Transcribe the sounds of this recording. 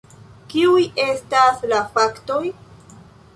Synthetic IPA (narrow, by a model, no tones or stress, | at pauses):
kiuje̞staslafakto̞j